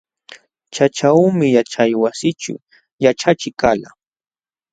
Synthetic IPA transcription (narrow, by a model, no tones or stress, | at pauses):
t͡ʃat͡ʃawmɪjat͡ʃajwasɪt͡ʃʊ̰ | jat͡ʃat͡ʃɪkala